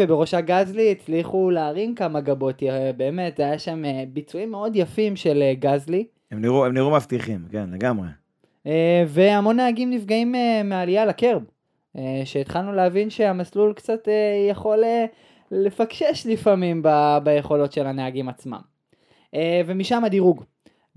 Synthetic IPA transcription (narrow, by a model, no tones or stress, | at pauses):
vebeʁo̞ʃaɡazliːt͡sliχuleːʁinkamaɡabo̞t̪jabe̞ːme̞t̪zeajaʃamebit͡suimːe̞o̞djafimʃe̞leɡazli | emniʁuemniʁumavt̪iχimkenleɡamʁḛ | eve̞amo̞nːeaɡimnifɡaimeːealijalakeʁb | eʃeit̪χalnuleavinʃeamaslulkt͡sat̪ejaχo̞le | le̞fakʃe̞ʃlifamimbabaje̞χo̞lo̞tʃe̞laneaɡimat͡sma̰m | eve̞miʃamad̪iʁuɡ